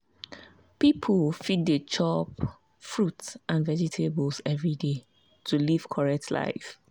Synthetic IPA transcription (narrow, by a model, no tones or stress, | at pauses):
pipʰəlfit̚dət͡ʃʰɔp | fɹutsʔãnvɛd͡ʒitʰeblsɛvɹide | tʰuliv̥kʰɔɹɛk̚tʰla̰ɪf